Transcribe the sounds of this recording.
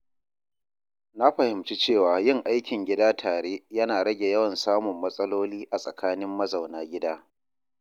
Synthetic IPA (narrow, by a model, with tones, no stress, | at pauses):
na˦ɸɐ˨hɪ˨mt͡ʃi˦t͡ʃeː˦˨waː˨jɪ˦ŋʔa˦jkʲɪ˨ŋɡʲɪ˦daː˦tʰaː˨ɽeː˦jɐ˦naː˨ɽɐ˦ɡʲe˨jɐ˦wɐ˨nsaː˦mʊ˨mːɐ˦sʼɐ˦loː˦liː˦ʔa˨sʼɐ˨kaː˦nɪ˦mːɐ˦zɐ˨wnaː˦ɡʲɪ˦daː˦